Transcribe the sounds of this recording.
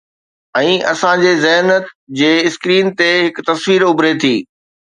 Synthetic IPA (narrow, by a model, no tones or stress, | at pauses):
ɛ̃ːʔɐsãd͡ʑeːzɐɦnət̪d͡ʑeːɪskɾiːnt̪eɦɪkt̪ɐsʋiːɾʊbɾet̪ʰiː